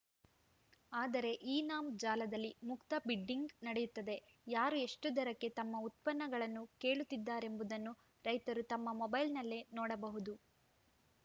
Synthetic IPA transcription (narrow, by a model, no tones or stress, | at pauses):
aːd̪ɐɾe̞ʔiːnaːmd͡ʒaːlɐd̪ɐlːimukt̪ɐbiɖːiŋɡnɐɽejut̪ːɐd̪e̞ | jaːɾue̞ʂʈud̪ɐɾɐkːe̞t̪ɐmːɐut̪̚pɐnːɐɡɐɭɐnːuke̞ːɭut̪ːid̪ːaːɾe̞mbud̪ɐnːu | ɾɐjt̪ɐɾut̪ɐmːɐmɔbɐjlnɐlːe̞nɔːɽɐbɐɦud̪u